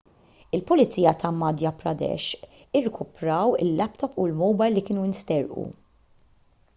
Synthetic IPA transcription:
ɪlpʊlɪt͡sːiːjɐt̪ʰɐmɐd̪jɐpɾɐ̰d̪ɛ̰ʃ | ɪrːɛkʰʊpɾɐwɪ̰lːɛpt̪ɔpːulmɔwbɐjlːikɪːnuɪnst̪ɛɾʔṵ

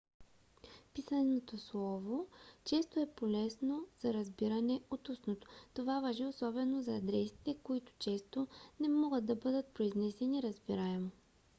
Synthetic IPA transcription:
pisənot̪oslˠɔvot͡ʃɛst̪oɛpolɛsnoz̥ɐɾɐzbiɾɐnɛot̪usnot̪o̥t̪ovavaʒiosɔbɛnozɐːd̪ɾɛsi̥t̪ɛkoit̪ʊ̥t͡ʃɛst̪onɛmɔɡəd̪̚d̪ɐbɤd̪ət̪̚pɾoiznɛsɛniɾɐzbiɾaɛmo

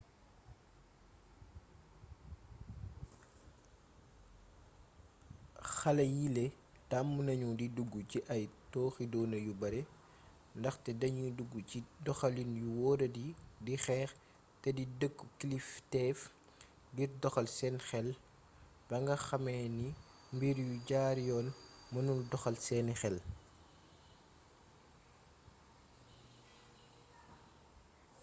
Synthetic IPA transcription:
xɐlɐjilɛ | tamːunɐɲudiduɡːuciʔɐjtɔːxidɔːnɐjubɐɾɛ | ndɐxtɛdɐɲuduɡːuidɔxɐlinjuwɔːdɐdidixɛːx | tɛdidəkːkliftɛːf | ɡirdɔxɐlsɛnxɛl | bɐŋɡɐxɐmɛːni | mbiɾjuɟaːɾjɔːnmɐnuldɔxɐlsɛːnixɛl

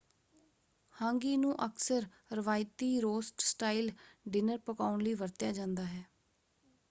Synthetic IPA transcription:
hãːŋɡiːnũːʔəksəɾ | ɾəʋaːɪt̪iːɾoːsʈsʈaːilɖɪnəɾpəkaːʊnləiːʋəɾt̪jaːd͡ʒãːnd̪aːɦɛː

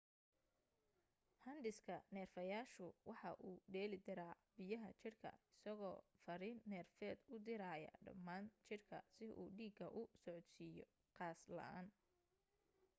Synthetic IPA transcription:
hɐnɖɪskʰɐnɛːrfɐjaːʃʊwɑħɑʔuːɖɛːlɪd̪ɪɾaː | bɪjɐɦɐ̰t͡ʃɪrkʰɐ̰ɪsɐɣɔːfɐɾiːnːɛːrfɛːd̪ʊd̪ɪɾaːjɐ̰ɖɐ̰mːaːnt͡ʃɪrkʰɐ̰sɪʔṵːɖiːɡɐʔʊsɔʕɔd̪siːjɔ̰ | qɑːslɐ̰ʔa̰ːn

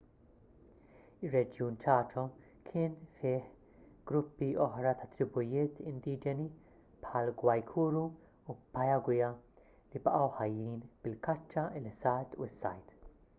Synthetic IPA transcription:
ɪrːɛd͡ʒjuːnt͡ʃɐːt͡ʃɔ | kʰɪːnfɪːħ | ɡ̥ɾʊpːiɔħɾɐt̪ɐt̪ɾɪbʊjɪːt̪ʰɪnd̪iːd͡ʒɛni | pħɐlɡwɐjkʰuːɾu | upɐjɐɡwɪjɐ | libɐʔɐwħɐjːiːnb̥ɪlkɐt͡ʃːɐlɪsːɐːt̪ṵɪsːɐ̰jt̪

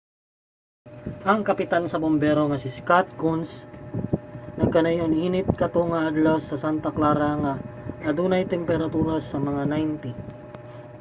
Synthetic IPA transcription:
ʔɐŋkɐpɪt̪ansɐbombɛɾo̞ŋɐsɪskat̪̚kuns | nɐkɐnɐjonhiːnɪt̪̚kɐt̪oŋɐʔad̪lasːɐsant̪ɐklaːɾaŋaʔɐd̪uːnɐjt̪ɛmpɛɾɐt̪uːɾasɐmɐŋanajnt̪i

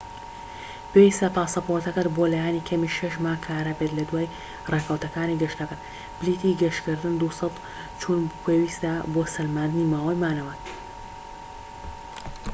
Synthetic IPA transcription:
pewist̪ɐt̪aːsɐpowɐt̪ɐkɐt̪bolajaːnikʰɐmiʃɐʃ̬maːkʰaːɾabet̪lɐd̪waːj | reːkʰɐwt̪ɐkaːniɡɐʃt̪ɐkɐt̪ | b̥lit̪iɡɐʃkɨɾd̪ɨnd̪usɑt̪ | t͡ʃʰuːnpʰeːwist̪aboːsɐlmaːnd̪ɨniːmaːwɐjmaːnɐwɐ

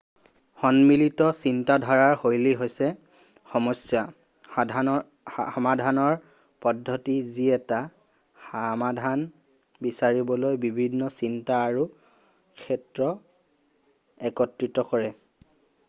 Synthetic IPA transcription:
xɔnmilitɔsintadʱaɹaɹxojliɦojsɛ | xɔmɔsja | hamadʱanɔɹ | pɔdʱːɔtiziɛta | xamadʱan | bisaɹibɔlojbibʱinːɔsintaːɹu | kʰɛtɹɔ | ɛkɔtɹitɔkɔɹɛ

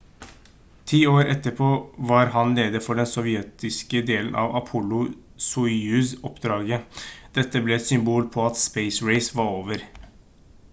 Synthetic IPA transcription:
t̪ʰiːoːɾʔɛt̪ːəpʰoːʋɑɾɦɑnleːd̪əfɔɖɛnsɔʋɪɛːt̪ɪskəd̪eːln̩ʔɑ̰ʋɑpʰʊlʊ | suɪʉsɔpd̪ɾɑːɡəd̪̥ɛt̪ːəblɛɛt̪sʏmbuːlpʰɔɑt̪speɪsɹeɪsʋɑɾoːʋəɾ

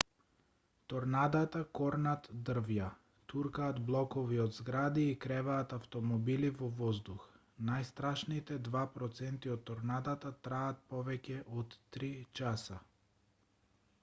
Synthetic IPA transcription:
t̪ɔɾnad̪at̪akɔɾnat̪d̪r̩vja | t̪uɾkaːd̪blˠɔkɔviod̪zɡɾad̪iːkɾɛvaːt̪aft̪ɔmɔbilivɔvɔzd̪ux | najst̪ɾaʃnit̪ɛd̪vapɾɔt̪sɛnt̪iɔt̪ːɔɾnad̪at̪at̪ɾaat̪̚pɔvɛcʲɛʔɔt̪ːɾit͡ʃasa

